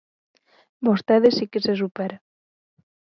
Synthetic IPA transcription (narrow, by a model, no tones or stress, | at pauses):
bost̪eðesikeses̬upeɾa